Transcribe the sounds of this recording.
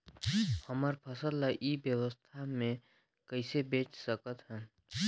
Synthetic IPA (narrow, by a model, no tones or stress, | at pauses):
həməɾpʰəsəlːaʔibjəwəst̪ʰamẽ | kəɪsebẽːt͡ʃsəkət̪ɦɛ̃ː